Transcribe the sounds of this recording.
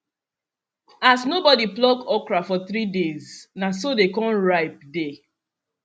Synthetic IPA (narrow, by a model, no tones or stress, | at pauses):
asnobɔdiplɔɡɔkɹafɔθɾideznasodekɔ̃nɹaɪp̚de